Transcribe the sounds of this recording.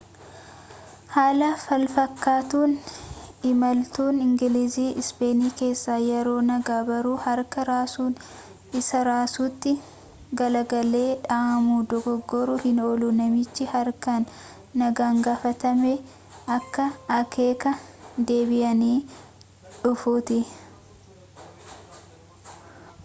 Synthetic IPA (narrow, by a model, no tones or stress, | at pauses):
haːlɐfɐlfɐkːaːt̪uːn | ɪmɐlt̪uːnɪŋɡɪliziːʔɪspe̞ːniːke̞ːsːaːjɛɾo̞ːnɐɡaːbɐɾuːhɐɾkɐɾaːsuːn | ɪsɐɾaːsuːt̪ːɪ | ɡɐlɐɡɐle̞ːᶑaːʔɐmuːd̪ɔɡɔɡːɔɾʊhɪnoːlʊnɐmɪt͡ʃːɪhɐɾkɐnː | ɐɡaːŋɡaːfɐt̪ɐme | ʔɐkːɐɐke̞ːkɐd̪e̞ːbɪʔɐniː | ᶑʊfuːt̪ɪ